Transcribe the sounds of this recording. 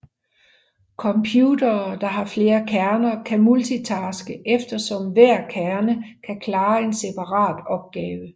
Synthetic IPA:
kʰɒ̽mpʰjuːdɐːd̥ɑ̈ɦɑ̈fle̝ːɐkʰæɐnɐkʰæmult͡sʰit͡sʰɑ̈ːsɡ̥əʔefd̥ɐsɒ̽mʋæɐ̰kʰæɐnəkʰækʰlɑ̈ːe̝nse̝pʰɑ̈ʁɑ̰̈ːd̥ɒ̽b̥̚ɡ̥ɛːwə

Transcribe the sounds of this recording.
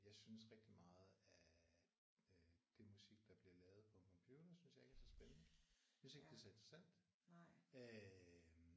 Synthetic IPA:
jɑ̈ɪsynəsʁeɡ̥d̥imɑ̈ːð̞̩ˠæ | d̥e̝musiɡ̥̚d̥ɑ̈b̥liɐlɛːʊð̞̩ˠpʰɒ̽enkʰɒ̽mpʰjuːd̥ɐsynsjɑ̈ɪe̝ɡ̥æsɒsb̥enənəjsyn̩se̝ɡ̥d̥e̝sɒe̝nd̥ʁɐsæn̰d̥ | ø

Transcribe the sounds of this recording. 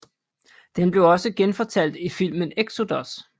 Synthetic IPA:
d̥enb̥le̝ʊɒ̽səɡ̥enfɒ̽t͡sʰæl̰d̥ifil̰məneɡ̥so̝d̥ɒs

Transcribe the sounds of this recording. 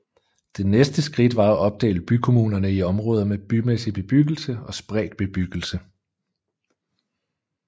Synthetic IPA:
d̥e̝nesd̥əsɡ̥ʁid̥ʋɑ̈æʔɒ̽b̥̚d̥ɛ̰ːɪləb̥ykʰo̝muːnɐnəiɒ̽mʁɔ̽ːð̞ˠɐmeb̥ymesib̥e̝b̥yɡ̥l̩səɒ̽sb̥ʁɛ̰ːd̥̚b̥e̝b̥yɡ̥l̩sə

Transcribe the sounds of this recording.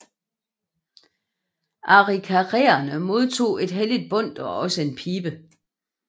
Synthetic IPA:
ʔɑ̈ʁikʰæʁeːɐnəmo̝ð̞ˠt͡sʰo̝̰ːe̝d̥ɦelid̥̚b̥ɔ̽n̰d̥ɒ̽ɒ̽səe̝npʰiːb̥ə

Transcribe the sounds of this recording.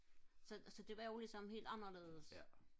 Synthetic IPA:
sɒ̽sɒ̽d̥e̝ʋɑ̈jolisɒ̽mhe̝̰ːld̥ɑ̈nɐle̝̰ːð̞ˠəs

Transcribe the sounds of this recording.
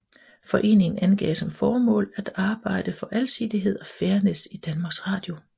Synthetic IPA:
fɒ̽ʔe̝̰ːne̝ŋn̩ænɡ̥ɛ̰ːsɒ̽mfɒːmɔ̰̽ːlæd̥ɑ̈ːb̥ɑ̈ɪ̰d̥əfɒ̽ʔælsid̥iɦe̝ð̞̰ˠɒ̽feːɐnesid̥ænmɑ̈ːɡ̥sʁɑ̈ːd̥jo̝

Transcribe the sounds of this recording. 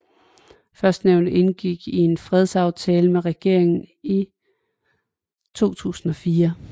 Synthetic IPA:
fɶɐsd̥neʊnd̥e̝nɡ̥iɡ̥ie̝nfʁɛð̞ˠsɑ̈ʊt͡sʰɛːləmeʁɛɡ̥e̝ɐ̰e̝ŋn̩i | t͡sʰo̝̰ːt͡sʰṵːsn̩ɒ̽fiːɐ

